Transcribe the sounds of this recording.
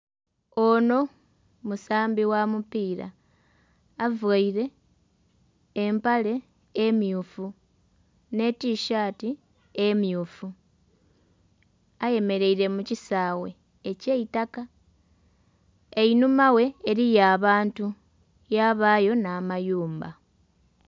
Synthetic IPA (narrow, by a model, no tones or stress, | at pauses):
o̞no̞ | musaːmbiwamupiːɾa̰ː | vaiɾe̞ | mpale̞ː | mjuːfu | ne̞tiʃaːti | emjuːfu | aje̞me̞ɾe̞iɾe̞mucisaːwe̞ː | ceitaka | einumawe̞ːɾijaːβaːntu | jaβaːjo̞naːmajuːmba